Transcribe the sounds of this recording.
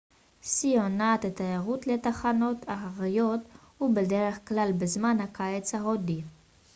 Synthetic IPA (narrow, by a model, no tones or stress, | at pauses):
sijonat̪et̪ajeʁutletaχano̞tʰaχaʁijo̞thubedeʁe̞χklalbezmanhakaet͡shaɦodi